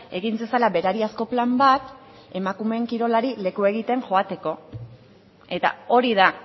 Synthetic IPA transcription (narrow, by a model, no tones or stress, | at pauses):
e̞ɣinsesalaβe̞ɾaɾiasko̞plambat̪ | e̞makume̞ŋkiɾo̞laɾile̞kue̞ɣit̪e̞ŋʝo̞at̪e̞ko̞ | e̞t̪a̰o̞ɾiða